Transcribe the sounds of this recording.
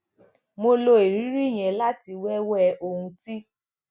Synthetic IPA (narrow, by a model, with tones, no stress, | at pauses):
mo˧lo˧e˨ɾi˨˦ɾi˦˨j̃ɛ̃˨la˦ti˧wɛ˦wɔ˦ɛ˧ʔo˧hũ˧ti˦